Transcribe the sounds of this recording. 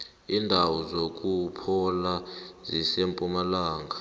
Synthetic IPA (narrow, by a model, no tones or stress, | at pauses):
iːndʱawɔzok̬ʼupʰɔlazisempʼumalaːŋɡʱa